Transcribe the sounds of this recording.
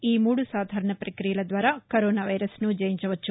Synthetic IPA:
iːmuːɽusaːd̪ʱaːɾɐɳɐpɾɐkɾijɐlɐd̪ʋaːɾaːkoɾoːnaːʋɐjɾɐsnud͡ʒɐjiɲt͡ʃɐʋɐt͡ʃːu

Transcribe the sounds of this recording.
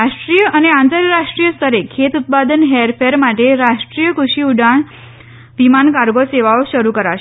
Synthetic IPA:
aʂʈɾijəʔəneãnt̪əɾjəɾaʂʈɾijəst̪ʰəɾekʰet̪ut̪̚pad̪ənɦeɾfeɾmaʈeɾaʂʈɾijəkuʂiuɖaɳ | ʋimankaɾɡoseʋaoɕəɾukəɾaʃe

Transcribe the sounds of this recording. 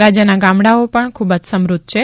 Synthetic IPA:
ɾad͡ʒjənaɡamɽaopəɳkʰubad͡ʒsəmɾud̪̚t͡ʃʰe

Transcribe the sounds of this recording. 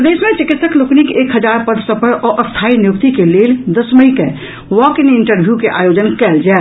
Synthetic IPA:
d̪eːsmẽt͡ʃɪkɪt̪səkloknikeːkɦəd͡ʒaɾpəd̪ʱsə̃pəɾɔːʔəst̪ʰainjuk̚t̪ikeleːld̪əsməike | ʋɔkiniɳʈəɾbʱjukeʔa̰joːd͡ʒənkɛːld͡ʒaː

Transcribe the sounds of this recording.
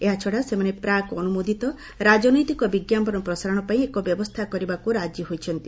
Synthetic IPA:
eɦat͡ʃʰɔɽasemanepɾakɔnumod̪ʱit̪ɔ | ɾad͡ʒɔnɔjt̪ikɔbiɡjampɔɾɔpɾɔsaɾɔɽ̃ɔpaĩekɔbjɔbɔst̪ʰakɔɾibakuɾad͡ʒɔɦojt͡ʃʰɔnt̪i

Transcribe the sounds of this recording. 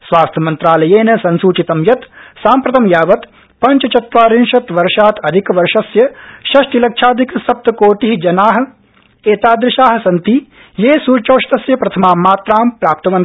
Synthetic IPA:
sʋaːst̪ʰjɐmɐnt̪ɾaːlɐjeːnɐsɐnsuːt͡ʃit̪ɐmjɐt̪saːmpɾɐt̪ɐmjaːʋɐt̪ | pɐɲt͡ʃɐt͡ʃɐt̪ʋaːɾɪnʃɐt̪ʋɐɾʃaːt̪ɐd̪ʱikʋɐɾʃɐsjɐʃɐʃʈilɐkʃʰaːd̪ʱiksɐp̚t̪ɐkoːʈiɦid͡ʒɐnaːɦɐ̆ | eːt̪aːd̪ɾɪʃaːɦɐ̆sɐnt̪i | jeːsuːt͡ʃoːʃt̪ɐsjɐpɾɐt̪ʰɐmaːmːaːt̪ɾaːmpɾaːp̚t̪ɐʋɐn

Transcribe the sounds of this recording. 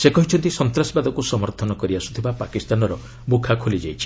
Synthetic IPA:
sekɔɦit͡ʃʰɔnt̪isɔnt̪ɾasibad̪ʱɔkusɔmɔɾt̪ʰɔnɔkɔɾiasut̪ʰibapakist̪anɔɾɔ | bukʰakʰolid͡ʒajt͡ʃʰi̥

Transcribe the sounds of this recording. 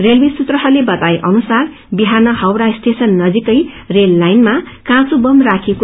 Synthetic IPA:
relbisut̪rʌɦʌlebʌt̪ajʔʌnusar | biɦanʌhʌwɾasʈʰesʌnːʌd͡zikʌj | relːajnma | kãt͡subʌmrakʰeko

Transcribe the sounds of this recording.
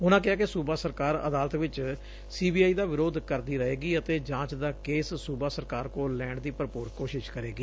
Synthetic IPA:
ʊnãːk̬ɪɦaːkɪsuːbaːsəɾkaːɾə̰d̪aːlət̪ʋɪt͡ʃ | siːbiːaːiːd̪aːʋɪɾoːd̪kəɾd̪iːɾəɦeːɡiːət̪eːd͡ʒãːt͡ʃd̪aːkeːssuːbaːsəɾkaːɾkoːlːɛːɳɖd̪iːpɾəpʊːɾkoːʃɪʃkəɾeːɡiː

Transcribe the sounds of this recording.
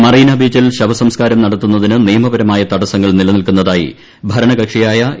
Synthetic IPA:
mɐriːnɐbiːd͡ʑilɕɐbɐsɐmskaːɾɐmnɐɽɐt̪ːunːɐðinɨnijɐmɐbɐɾɐmaːjɐt̪ɐɽɐsɐŋːɐɭnilɐnilkunːɐðaːjḭ | bʱɐɾɐɳɐɡɐkʂijaːjɐ

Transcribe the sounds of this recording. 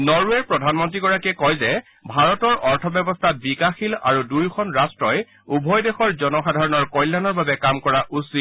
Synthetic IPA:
nɔɹuɛɹpɹɔdʱanmɔntɹiɡɔɹakɛkɔjzɛ | bʱaɹɔtɔɹɔɹtʰɔbjɔbɔstʰabikaxila̰ɹudujkʰɔnɹastɹɔj | ubʱɔjdexɔɹzɔnɔxadʱaɹɔnɔɹkɔjlːanɔɹbabɛkamkɔɹaʔusit

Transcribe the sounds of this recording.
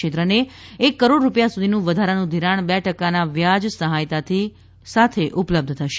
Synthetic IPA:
et̪ɾəneekːəɾoɽɾupjasud̪ʱinũʋəd̪ʱaɾanũd̪ʱiɾaɳ̃bɛʈəkanaʋjad͡ʒsəɦajt̪at̪ʰi | sat̪ʰeʔupləb̚d̪ʱt̪ʰəʃe

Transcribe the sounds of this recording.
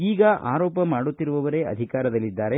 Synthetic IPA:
iːɡɐʔa̰ːɾɔːpɐmaːɽut̪ːiɾuʋɐʋɐɾe̞ɐ̰d̪ʱikaːɾɐd̪ɐlːid̪ːaːɾe

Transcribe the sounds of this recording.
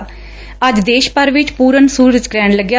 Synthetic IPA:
əd͡ʒd̪eːʃpəɾʋɪt͡ʃpuːɾənsuːɾəd͡ʒkɾɛːɳləɡja

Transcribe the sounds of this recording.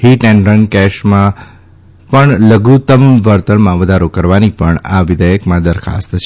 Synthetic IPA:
hiʈɛ̃ɳɖɾənkɛʃmã | pəɳləɡut̪əmʋəɾt̪ənmãʋəd̪ʱaɾokəɾʋanipəɳaʋɪd̪ʱəjəkmãd̪əɾkʰa̰st̪t͡ʃʰ

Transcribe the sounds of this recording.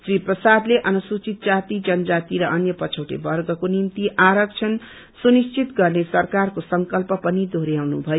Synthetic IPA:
sriprʌsad̪leʔʌnusut͡sit̪̚d͡zat̪id͡zʌnʌd͡zat̪iɾʌʌnjʌpʌt͡sʰʌwʈḛbʌrɡʌkonimt̪iʔaɾʌk̚t͡sʰʌn | sunist͡sʰit̪ɡʌrnesʌrkarkosʌŋkʌlpʌpʌnid̪ʱoɾjawnṵbʱʌjo

